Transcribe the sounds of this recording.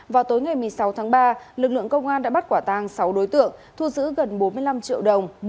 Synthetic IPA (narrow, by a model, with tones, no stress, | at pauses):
vaː˨˩wt̪o˨˦jŋa˨˩jm˨˩əjsa˨˦wt̪ʰaː˨˦ŋɓaː˧lɨ˨˩k̚lɨ̰˧˨əŋkə˧wŋ͡mʔaː˧nɗa̰ː˧˥ɓa˦˥t̚kwaː˧˩t̪aː˧˩ŋsa˨˦wɗo˨˦jt̪ɨ̰˧˨əŋt̪ʰu˧zɨ̰˧˥ɣə˨˩nɓo˨˦nmɨ˧əjla˧mt͡ɕḭ˧˨əwɗə˨˩wŋ͡m